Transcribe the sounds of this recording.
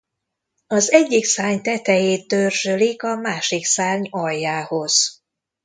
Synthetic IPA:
ɒzɛɟːiksaːɲt̪ɛt̪ɛjeːt̪̚ːørʒølikɒmaːʃiksaːɲɒjːaːho̞z̥

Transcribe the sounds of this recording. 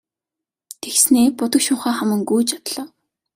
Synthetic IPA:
t̪ʰexsneːpʊt̪ə̆kʃʊːχaːχamə̆ŋɡujt͡ɕat̪ɮɔ̆ːw

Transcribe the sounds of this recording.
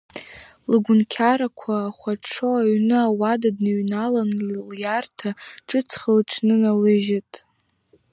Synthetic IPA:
lɨɡʷʊnkʲʰaɾakʷʰaːχʷaʈ͡ʂʰoaɥnɨawadadnɨɥnalanljartʰaʈ͡ʂʼɨt͡sʰχəlʈ͡ʂʷʰnɨnalɨʒatʼ

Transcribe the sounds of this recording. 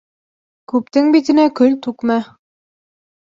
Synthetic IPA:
kʉpt̪ɘŋbit̪ɘ̆nækɵlt̪ʉkmæ

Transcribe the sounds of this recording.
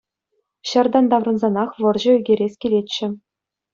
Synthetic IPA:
ɕɤ̆rd̪ɑnd̪ɑʋrɤ̆nzɑnɑχʋɤ̆rʑɤ̆yɡʲeɾʲesʲkʲilʲet͡ɕːɘ̆

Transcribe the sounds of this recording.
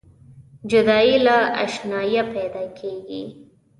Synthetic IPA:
d͡ʒʊd̪ɑilaa̰ʃnɑjapɛd̪ɑkʰeɡḭ

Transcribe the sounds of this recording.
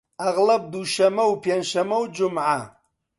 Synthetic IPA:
ɐɣlɐb̚d̪uʃɐmɐwpʰjenʃɐmɐwd͡ʒʊmʕa

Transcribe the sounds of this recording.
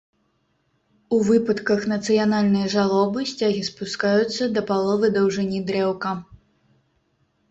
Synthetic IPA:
uvɨpɐt̪kɐxnɐt̪sɨjanalʲnɐjɐʐalˠɔbɨsʲt͡sʲaɣʲispuskajut̪sːɐd̪ɐpalˠɔvɨd̪ɐwʐɨnʲid̪ɾɛwkɐ

